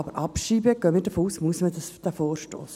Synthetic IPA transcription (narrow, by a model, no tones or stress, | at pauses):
ɑbəɾʔɑpʃiːbəɡ̥œːmiːdəfoːuːsmuəsmədɑsd̥̪əfoːɾʃto̰ːs